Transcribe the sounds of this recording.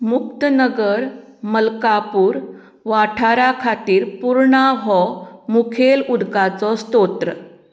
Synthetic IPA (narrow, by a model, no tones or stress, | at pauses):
muk̚t̪ənəɡəɾ | məlkapuːɾ | ʋaʈʰaɾakʰat̪iːɾpuɾɳaɦɔmukʰelud̪kat͡sɔst̪ot̪ɾə